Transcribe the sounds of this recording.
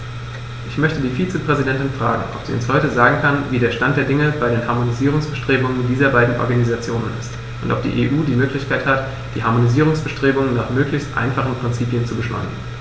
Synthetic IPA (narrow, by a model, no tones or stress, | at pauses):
ʔɪçmœçtədiːfiːt͡səpʁ̥ɛzidɛntɪnfʁ̥a̰ːɡŋ̩ʔɔ̰pz̥ḭːʊ̰nshɔʏtəzaːɡŋ̩kʰanviːdeːɐʃtant̚d̥eːɐdɪŋəbaɪɾeːnɦaɐmoniziːʁ̞ʊŋsb̥əʃtʁ̥eːbʊŋəndiːzɐbaɪdn̩ʔɔ̰ɐɡanizat͡sjoːnənɪ̰st | ʔʊntʔɔ̰p̚d̥ḭːʔḛːʔuːdiːmøːklɪçkʰaɪthat | d̥ḭːɦaɐmoniziːʁ̞ʊŋsb̥əʃtʁ̥eːbʊŋənnaːχmøːklɪçstʔa̰ɪnfaχn̩pʁ̥ɪnt͡siːpjənt͡subəʃlɔ̰ɪnə̰n